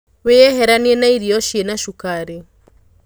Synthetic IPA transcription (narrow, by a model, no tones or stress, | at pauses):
wejɛɦeɾanienaiɾiɔʃienaʃukaɾe